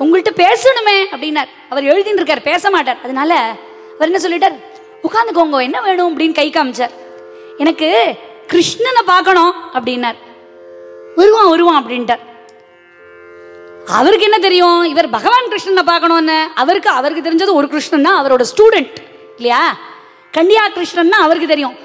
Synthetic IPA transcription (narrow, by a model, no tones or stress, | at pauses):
ʊŋɡɐɭɯʈːɯpeːsɐɳɯmeːɐpːɐɽɪnːaːɾ | ɐʋɐɾɛɻɯðinɾɯk̬ːaːɾpeːsɐmaːʈ̬ːaːɾɐðɯnaːlɐ | ɐʋɐɾɛnːɐs̬ɔlːɪʈːaːɾ | ʊkaːnd̪ɯk̬ːoŋɡõɛnːɐʋeːɳʊ̃ɐp̬ɐɽɪnːkɐɪkːaːmt͡ʃːaːɾ | ɛnɐkːɯ | kɪɾɪʂɳɐnːɐpaːɾkɐɳõɐpːɐɽɪjnːaːɾ | ʋɔɾɯʋãːɔɾɯʋãːɐp̬ːɐɽɪnʈːaːɾ | ɐ̰ʋɐɾɯk̬ːɛnːɐt̪̬ɛɾɪjʊ̃ɪʋɐɾbʱɐɣɐʋaːnkɾɪʂɳɐnːɐpaːɾkːɐɳõːɛnːɐɐʋɐɾɯkːɯɐʋɐɾɯk̬ːɯt̪̬ːɛɾɪɲd͡ʒɐðɯ̃ɔɾɯkɪɾɪʂɳɐnːãːɐʋɐɾoːɽɐsʈuːɽɛɳʈ | ɪlːɐjaː | kɐɳɖɪjaːkɪɾɪʂɳɐnːãːɐʋɐɾɯkːɯt̪ɛɾɪjõ